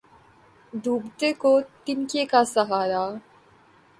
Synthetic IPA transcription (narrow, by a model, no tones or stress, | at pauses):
d̪ʱuːbt̪ekot̪ɪnkekasɐɦaːɾa